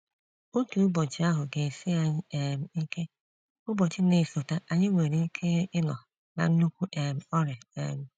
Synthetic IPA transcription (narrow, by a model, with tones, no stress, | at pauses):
o˦tu˨ʊ˦bɔ˨t͡ʃɪ˦a˦ɦʊ˨ɡe˨sɪ˦a˨ɲ˦e˨m̩˨i˦ke˦ | ʊ˦bɔ˨t͡ʃɪ˦ne˨so˨ta˦ʔa˨ɲɪ˦ŋʷe˨ɾi˨i˦kʰe˦ɪ˦nɔ˨ | na̰˨n̩˦nu˦kʷu˦ʔe˨m̩˨ɔ˦ɾɪ˨ḛ˦˨m̩˨